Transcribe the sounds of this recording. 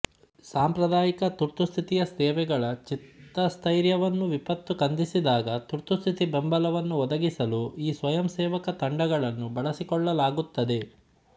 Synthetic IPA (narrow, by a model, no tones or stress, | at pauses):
saːmpɾɐd̪aːjikɐt̪uɾt̪ust̪ʰit̪ijɐst̪ɛːʋɛɡɐɭɐt͡ʃit̪ːɐst̪ʰɐjɾjɐʋɐnːuʋipɐt̪ːukɐnd̪isid̪aːɡɐt̪uɾt̪ust̪ʰit̪ibembɐlɐʋɐnːuɔd̪ɐɡisɐluiːsʋɐjɐmsɛːʋɐkɐt̪ɐɳɖɐɡɐɭɐnːubɐɭɐsikɔɭːɐlaːɡut̪ːɐd̪e̞